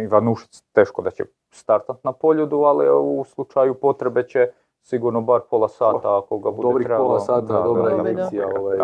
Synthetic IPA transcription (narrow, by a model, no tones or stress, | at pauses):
iʋanuʃi̥t̪st̪e̞ːʃkod̪at͡ɕe̞̰ | st̪aɾt̪at̪napo̞ʎud̪ualiuslˠut͡ʃajupo̞t̪ɾe̞be̞t͡ɕe | siɡuɾnobaɾpo̞lˠasaːt̪aːko̞ɡabud̪obɾit̪ɾebolaaːt̪d̪aadoaaeiaoʋaj